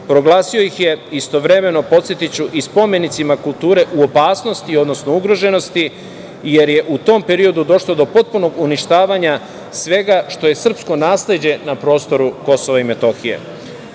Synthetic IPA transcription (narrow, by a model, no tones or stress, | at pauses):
pɾo̞ɡlaːsio̞jixje̞ist̪o̞ʋɾe̞me̞no̞po̞t̪sjet̪it͡ɕuʔispo̞me̞nit̪simakulˠt̪uːɾe̞ʔuo̞paːsno̞st̪io̞d̪no̞sno̞uɡɾo̞ʒe̞no̞st̪i | je̞ɾje̞ʔut̪o̞mpe̞ɾio̞d̪ud̪o̞ʃlˠo̞d̪o̞po̞t̪̚puno̞ɡuniʃt̪aːʋaɲa | sʋe̞ɡaʃt̪o̞je̞sr̩psko̞naːsle̞d͡ʑe̞napɾo̞ːst̪o̞ɾuko̞so̞ʋaime̞t̪o̞xije̞̰